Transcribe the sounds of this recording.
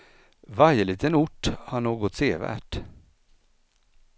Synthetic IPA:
vaɾjəliːt̪ənʊʈːhaɳoːɡɔt̪seːvæ̰ːʈ

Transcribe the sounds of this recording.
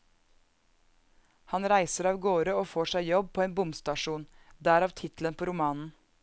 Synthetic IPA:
hɑnɾæɪsəɾɑːʋɡoːɾəoːfoːʂæɪjɔb̚pʰoːeːnbʊmst̪ɑʃuːnd̪æːɾɑːʋt̪ʰɪt̪l̩ənpʰoːɾʊmɑːnn̩

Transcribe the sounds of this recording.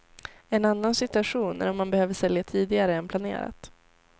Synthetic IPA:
ɛnanːansɪt̪ɵaɧuːnæ̰ɾɔmːanbɛhøːvəʂɛljat̪ʰiːd̪ɪɡaɾəɛnpʰlanḛːɾa̰t̪

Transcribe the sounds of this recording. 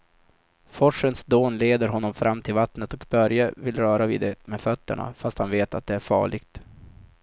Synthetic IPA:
fɔʂːənsd̪oːnleːd̪əɾɦɔnːɔmfɾʔamːt̪ʰɪlvat̪nət̪ɔkbœɾjavɪlɾœːɾavɪ̰d̪ɛmefœt̪ːə̰ɳa̰fast̪hanveːt̪at̪̚d̪ɛæɾfɑ̰ːɭɪɡt̪

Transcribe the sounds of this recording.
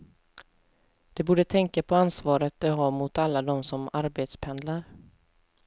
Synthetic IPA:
d̪̥ɛbuːɖət̪ʰɛŋkapʰɔansvɑːɾət̪̚d̪ɛɦɑːmʊt̪alːad̪ɔmsɔmaɾbeːt̪spʰɛnd̪laɾ

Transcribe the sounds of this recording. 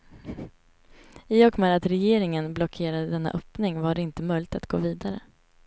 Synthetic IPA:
ɪɔɡmɛːd̪at̪ɾɛjeːɾɪŋənblɔkʰeːɾad̪əd̪ɛnːa̰ʔœpnɪŋvaɖɛɪnt̪əmœjlɪɡt̪at̪ɡ̥o̰ːviːd̪aɾə̰

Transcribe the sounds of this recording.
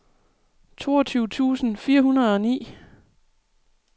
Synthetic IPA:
t͡sʰo̝̰ːɐt͡sʰyːʊt͡sʰṵːsn̩fiːɐɦhunɐð̞ˠɒ̽nḭː

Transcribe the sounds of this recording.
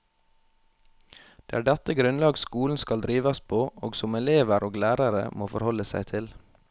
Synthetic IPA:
d̪̥eːæːɖɛt̪əɡɾʉnlɑːɡskuːln̩skɑld̪ɾiːʋɑspʰoːʔoːɡsʊmɛleːʋəɾʔoːɡlæːɾɑɾə̰moːfɔɾhɔləsæ̰ɪt̪ʰɪl

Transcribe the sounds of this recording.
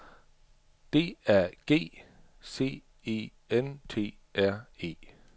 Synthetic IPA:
d̥e̝̰ːæɐ̰ɡ̥e̝̰ː | se̝̰ː | e̝̰ː | ent͡sʰe̝̰ː | ʔæɐ̰e̝̰ː

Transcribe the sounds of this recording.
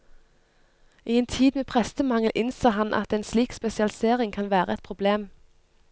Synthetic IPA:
ʔiːeːnt̪ʰiːd̪meːpʰʁɛst̪əmɑŋəl̩ʔɪnsɑːɦɑnʔɑ̰t̪eːnsliːkspɛsɪɑlɪseːʁɪŋkʰɑnʋæːʁəɛt̪̚pʰʁʊbleːm

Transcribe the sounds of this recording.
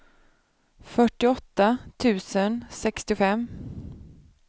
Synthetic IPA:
fœʈːɪɔt̪ːat̪ʰʉ̟ːsənsɛkst̪ɪfɛmː

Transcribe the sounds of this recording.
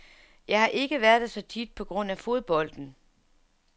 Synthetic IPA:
jɑ̈ɪhɑ̈ʔe̝ɡ̥əʋæɐðˠd̥esɒ̽t͡sʰid̥̚pʰɒ̽ɡ̥ʁɔ̽n̰æfo̝ðˠb̥ɒ̽l̰d̥n̩

